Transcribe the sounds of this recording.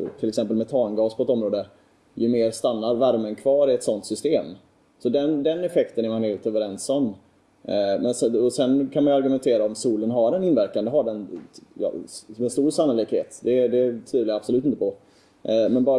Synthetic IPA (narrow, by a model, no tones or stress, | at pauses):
t̪ʰɪlɛksɛmpəlmɛt̪ʰɑːnɡɑːspʰɔɛt̪ɔmɾoːd̪ə | jɵmeːɾst̪anːaɾvæɾmənkʰvɑːɾɪɛt̪sɔnt̪sʏst̪eːm | sɔd̪ɛnd̪ɛnːɛfɛkt̪ənæɾmanheːlt̪øːvəɾɛnsɔmː | mɛnsɛɔsɛnkʰanmajaɾɡɵmɛnt̪ʰeːɾaɔmsuːlənɦaɾɛnɪnvæɾkand̪əɦaɖɛnjɑ̰ɛnst̪uːɾsanːʊlɪkheːt̪d̪ɛd̪ɛt̪ʰyːd̪lajɾabsɔlʉ̟ːt̪ɪnəpɔ | mɛnbɑː